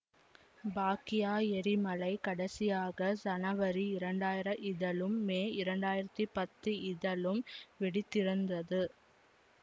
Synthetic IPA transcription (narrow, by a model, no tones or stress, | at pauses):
baːkɪjaːɛɾɪmɐlɐɪkɐɽɐsɪjaːɣɐsɐnɐʋɐɾiɪɾɐɳɖaːjɪɾɐʔɪðɐlɯmːeːɪɾɐɳɖaːjɪɾɐt̪ːipɐt̪ːɯɪðɐlɯmʋɛɽɪt̪ːɪɾɯnd̪ɐðɯ